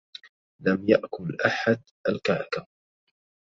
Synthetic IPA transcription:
lamjaʔkʊlʔaħad̪ | ʔalkaʕɑka

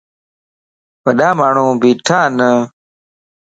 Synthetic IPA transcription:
pɐɗaːmaːɳũːbiʈʰaːnə

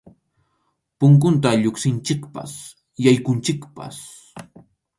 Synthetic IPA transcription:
pʊŋk̬ʊnt̪aʎoksɪnt͡ʃɪkpa̰s | jajkʊnt͡ʃɪkpa̰s

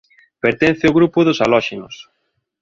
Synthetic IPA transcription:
peɾt̪ẽnθɪʊɣɾupʊðʊsalɔʃenʊs

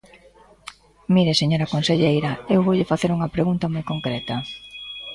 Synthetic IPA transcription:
miɾeseɲoɾɐkonseʎejɾɐewβoʎɪfaθeɾuŋɐpɾeɣunt̪ɐmojkoŋkɾɛt̪ɐ

